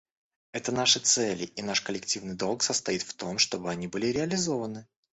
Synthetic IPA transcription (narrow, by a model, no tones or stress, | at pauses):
ɛt̪ənaʂɨt̪sɛlʲɪʔinaʂkəlʲɪktʲivnɨjd̪o̞lˠksəst̪ɐit̪ft̪o̞mʂt̪o̞bɨɐnʲibɨlʲɪɾʲɪɐlʲɪzo̞vənɨ